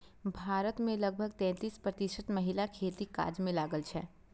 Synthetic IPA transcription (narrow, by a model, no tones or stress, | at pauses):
bʱaːɾət̪mẽləɡ̚bʱəɡt̪ɛ̃ːt̪iːspɾət̪iʃət̪məɦɪlakʰeːt̪ika̰ːd͡ʒmẽlaːɡəlt͡ʃʰɛː